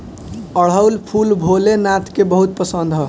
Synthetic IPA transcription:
əɽ̤əʊlpʰulbʱolenat̪kebəɦut̪̚pəsənd̪ʱɦɔ

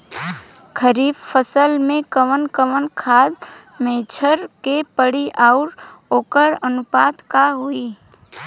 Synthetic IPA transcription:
kʰəɾibpʰəsəlmẽkəʋənkəʋənkʰad̪met͡ʃʰəɾkepəɽiʔaʊɾoːkəɾənupat̪kaɦui

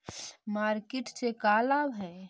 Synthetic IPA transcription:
maːɾkɪʈsekaːlaːbɦɛː

